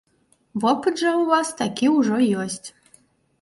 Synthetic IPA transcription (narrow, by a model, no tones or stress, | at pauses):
vɔpɨd̪ʐɐuvast̪akʲiuʐɔjɔsʲtʲ